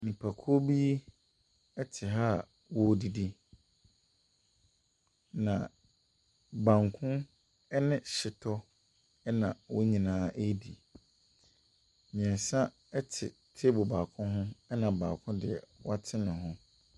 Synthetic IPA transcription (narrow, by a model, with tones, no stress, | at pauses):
mĩ˨pʰa˨kʰːbi˦ | ɛ˦tʰɪ˨ɦaː˦˨ | wɔ˦˨di˨di˦ | nã˨ | bã˨ŋkʰʊ̃˦ | ɛ˦nɪ̃˨ɕɪ˨tʰɔ˦ | ɛ˦nã˨wɔ˦ɲĩ˨nãː˦ʔe˦di˨ | mĩ˨ɛ̃˨n˨sã˦ | ɛ˦tʰɪ̰˨tʰe˦bʊ˨ba˨kʰʊ̃˦ɦʊ̃˦ɛ˦nã˨baː˨kʰʊ̃˦dɪ˨ɛ̰˨wa˦tʰɪ˦nɪ̃˨ɦʊ̃˦